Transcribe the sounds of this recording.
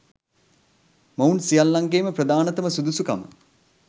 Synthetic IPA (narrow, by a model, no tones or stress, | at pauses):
mɐunsijalːaŋɡeːməpɾəd̪aːnɐt̪əməsud̪usukamə̰